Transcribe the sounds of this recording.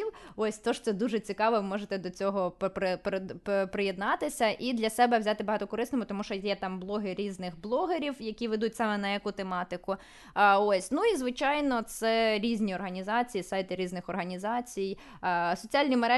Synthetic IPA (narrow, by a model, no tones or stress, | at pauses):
iwɔsʲt̪ɔʃt̪sɛd̪uʒɛt͡sʲikɑʋɛʋɪmɔʒet̪ɛd̪ɔt͡sʲɔɦɔppɪp̪pɾɪjed̪nɑt̪ɪsʲɐʔid̪lʲɐsɛbɛwzʲat̪ɪbɐɦɑt̪ɔkɔɾɪsnɔmʊt̪ɔmuʃt͡ʃɔjɛt̪ɑmblˠɔɦɪɾʲiznɪxblˠɔɦeɾʲiwjɐkʲiʋɛd̪utʲsɑmɛnɐjɐkut̪emɑt̪ɪkʊ | ɔsʲnuizʋɪt͡ʃɑjnɔt̪sɛɾʲizʲnʲiɔrɦɐnʲizɑt͡sʲijisɑjt̪ɪɾʲiznɪxɔrɦɐnʲizɑt͡sʲij | sɔt͡sʲialʲnʲimeɾɛ